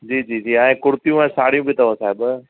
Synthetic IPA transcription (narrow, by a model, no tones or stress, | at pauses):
d͡ʑiːd͡ʑiːd͡ʑiːãkʊɾt̪ijũɛ̃ːsaːɽ̤ijũːbʱit̪ʰɐʋõsaːɦɪb